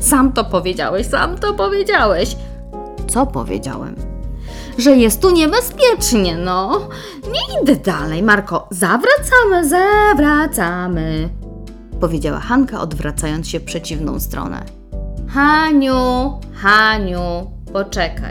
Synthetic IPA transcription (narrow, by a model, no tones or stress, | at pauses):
samt̪ɔpɔvʲjed͡ʑa̰wɛɕsa̰mt̪ɔpɔvʲjed͡ʑawɛɕ | t̪sɔpɔ̰vʲjḛd͡ʑa̰wɛ̰m | ʐɛjɛst̪tːuɲɛbɛspʲjɛt͡ʂɲɛnɔ | ɲɛd̪ɘd̪alɛjmaɾkɔzavɾat̪samɘzavɾat̪samɘ | pɔvʲjed͡ʑawa̰xaŋkaʔɔ̰d̪vɾʔat̪sajɔnt̪sɕɛfpʂɛt͡ɕivnɔ̰̃w̃st̪ɾɔ̰nɛ̰ | xaɲuxaɲu | pɔt͡ʂɛka̰j